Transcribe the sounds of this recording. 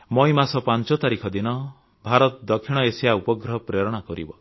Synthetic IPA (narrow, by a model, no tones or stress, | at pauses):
mɔjmasɔpant͡ʃɔt̪aɾikʰɔd̪inɔ | bʱaɾɔt̪d̪ɔkʰːiɽ̃ɔesijaupɔɡɾɔpɾeɾɔɽ̃akɔɾḭbɔ